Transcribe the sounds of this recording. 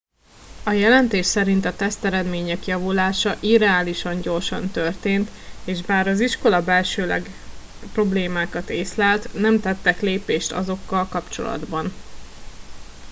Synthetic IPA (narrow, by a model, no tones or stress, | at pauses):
ɒjɛlɛnt̪eːʃsɛɾint̪ɒt̪ɛst̪ɛɾɛd̪meːɲɛkjɒvulaːʃɒʔiɾɛaːliʃɒɲɟo̞rʃɒ̰nt̪ørt̪eːnt̪ | eːʒbaːɾɒziʃko̞lɒbɛlʃøːlɛ̰ɡ | pro̞bleːmaːkɒt̪eːslaːlt̪nɛmt̪ɛt̪ːɛkleːpeːʃt̪ɒ̰zo̞kːɒlkɒpt͡ʃo̞̰lɒ̰d̪bɒn